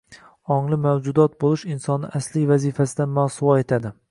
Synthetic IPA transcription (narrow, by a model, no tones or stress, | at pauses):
ɒŋlˠɪmawd͡ʒʊd̪ɒt̪̚bolˠɪʃɪnsɒnɪʔaslivazifasɪd̪amasʊwɒe̞t̪ʰad̪ɪ